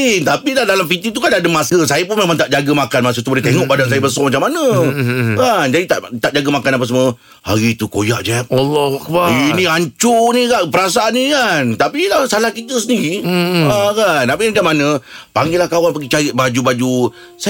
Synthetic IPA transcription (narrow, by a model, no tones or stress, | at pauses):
it̪apiladalamfit̪it̪̬ukanadəmasəsajəp̬ʊnmemãŋt̪aʔd͡ʒaɡəmakanmas̬ət̪uboleht̪eŋɔʔbadans̬ajəbəsɔmat͡ʃamːanə̃ | kand͡ʒadit̪aʔt̪aʔd͡ʒaɡəmakanap̬as̬mũə | ha̰ɾit̪uko̰jaʔd͡ʒɛp̚alːakbainiaɲt͡ʃunĩkaʔpəɾasaʔanːikant̪apilahsalahkit̪əs̬əndiɾiakanapimat͡ʃamːanə̃paŋɡilahkawanpaɡit͡ʃaɾɪt̪̚bad͡ʒubad͡ʒu | sa